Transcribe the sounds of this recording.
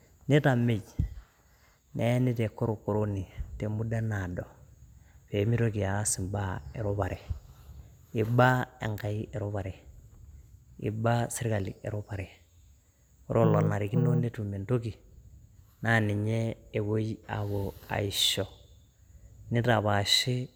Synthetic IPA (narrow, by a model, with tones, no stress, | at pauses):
ni˦ta˨me˨ɟ | ne˦ni˦te˨kːo˦ɾo˨ko˨ɾo˦ni˨te˨mu˦da˦na˨do˨ | fe˨mi˦ɾo˦ki˨a˨a˦si˨mba˦e˨ɾo˦pa˨ɾe˨ | i˨ba˦ḛ˨ŋka˨i˦ʔe˨ɾo˦pa˨ɾe˨ | ḭ˨ba˦si˦ɾka˨lḭ˨ḛ˨ɾo˦pa˨ɾe˨ | o˦ɾʔo˦lo˨na˨ɾi˨ki˦no˦ne˦tu˨me˨nto˦ki˨ | na˦ni˨ɲe˦e˨wo˦ja̰˨βo˨a̰˨iʃo˨ | ni˦ta˨βa˨ʃi˦